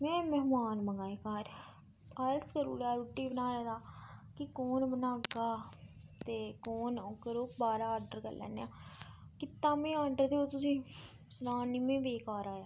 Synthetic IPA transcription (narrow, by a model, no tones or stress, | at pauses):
mɛ̃ːmɛɦmaːnməŋɡaːekaːɾ | əɾskəɾṵːɾaːɾuʈːiːbənaːɾɛ̃ːd̪aːkɪkoːnbənaːɡaːt̪eːkoːnokəɾoːkbaːɾaːaːɾɖəɾkə̰lːɛ̰ːneːãːkɪt̪ːãːmẽːaːɖəɾd̪eːot̪ʊsĩː | sənaːniːmẽːʋeːkaːɾaːjaː